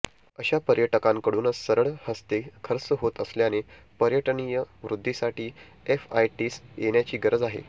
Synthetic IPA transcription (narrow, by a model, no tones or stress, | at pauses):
əɕapəɾjəʈəkãŋkəɽuːnəsəɾəɭhəst̪ekʰəɾt͡səɦot̪əsljane | pəɾjəʈənijəʋɾud̪ʱːisaʈiː | efa̰jʈiːsjeɳjat͡ɕiːɡəɾəd͡zaɦḛ